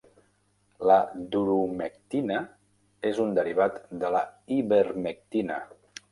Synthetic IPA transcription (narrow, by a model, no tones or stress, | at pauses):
ləd̪uɾumək̚t̪inə | ezund̪əɾiβ̞at̪d̪ələiβəɾmək̚t̪inə̰